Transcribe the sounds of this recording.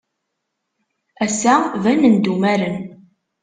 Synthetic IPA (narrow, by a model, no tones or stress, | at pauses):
æsævænənd̪umæɾən